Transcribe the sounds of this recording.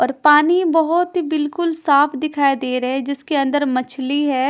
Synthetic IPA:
ɔːɾpaːnibɐɦʊt̪ibɪlkʊlsaːpʰd̪ɪkʰaːid̪eːɾɐɦed͡ʒɪskeɐ̃nd̪əɾmɐt͡ʃʰliɦɛː

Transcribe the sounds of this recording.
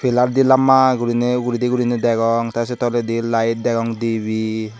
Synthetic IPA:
pʰilaɾdilamaɡuɾineɡuɾidiɡuɾinedɛɡɔŋtasɛtɔlɛdilajt̚dɛɡɔŋdibi

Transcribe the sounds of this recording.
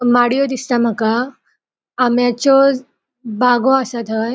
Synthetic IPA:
maɽijod̪ist̪aməkaː | mjat͡ɕɔ | baɡõəsat̪ɔj

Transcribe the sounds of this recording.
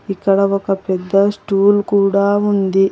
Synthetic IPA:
ikːɐɽɐɔkɐpɛd̪ːɐsʈuːlkuːɽaːund̪i

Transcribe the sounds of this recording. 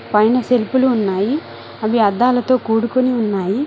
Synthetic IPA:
pɐjnɐse̞lpuluːnːaːji | ɐbiɐd̪aːlɐt̪o̞ːkuːɽukoniunːaːji

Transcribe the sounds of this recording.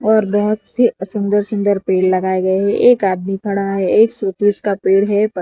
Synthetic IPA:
ɔːɾd̪ɐɦt̪seɐsʊ̃nd̪əɾsʊ̃nd̪əɾpeːɽlɐɡaːeɡɐeɦɛʔeːkaːd̪̚mikʰɐɽaɦɛeːksɾʊt̪uʃkapeːɽɦɛp

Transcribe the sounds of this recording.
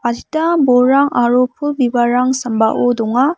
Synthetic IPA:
pad͡ʒitaboɾaŋaɾopʰulbibaɾaŋsɐmbaʔodɔŋa

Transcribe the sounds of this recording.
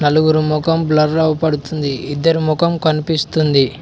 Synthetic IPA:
nɐluɡuɾumɔkɐmblɐɾlɐwɐpɐɽut̪und̪iid̪ːɐɾimɔkɐmkɐnipist̪und̪i

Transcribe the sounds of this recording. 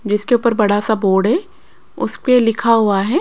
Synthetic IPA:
d͡ʒɪskeuːpəɾbɐɽasaboːɖɦɛː | ʊ̰spelɪkʰaɦuaɦɛː

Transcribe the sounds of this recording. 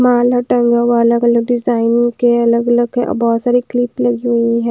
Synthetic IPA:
maːlaʈɐ̃ŋɡaʋɐləɡələɡɖɪzaːɪñkeɐləɡələɡɦbɔːt̪saːɾikliplɐɡiɦuiɦɛ̃ː

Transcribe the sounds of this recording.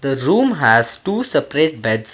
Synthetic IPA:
d̪əɾũːmɦæzʈuːsɛpɾeːʈ̚bɛɖs

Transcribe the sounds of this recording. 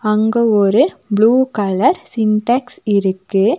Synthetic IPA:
ɐŋɡɐɔɾɯbɭuːkɐlɐɾsɪnʈɐksɪɾɯkːɯ

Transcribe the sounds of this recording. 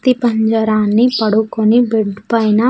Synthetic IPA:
t̪ipɐɲd͡ʒɐɾaːnːipɐɽukonibiɖpɐjnɐ

